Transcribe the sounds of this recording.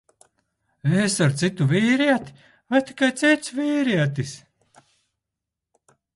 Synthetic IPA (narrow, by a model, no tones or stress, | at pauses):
esaɾt̪sit̪uviːɾiɛt̪i̥ | vajt̪i̥kajt̪sit̪sviːɾiɛt̪is